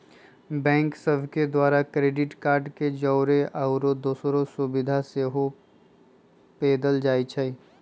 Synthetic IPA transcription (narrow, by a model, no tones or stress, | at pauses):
bɛ̃ːŋksəbʱked̪waːɾakɾeːɖɪʈkaːɾɖked͡ʒɔːɾeʔaʊɾod̪oːsɾosʊbɪd̪ʱaseːɦo | peːd̪əld͡ʒaːit͡ʃʰəi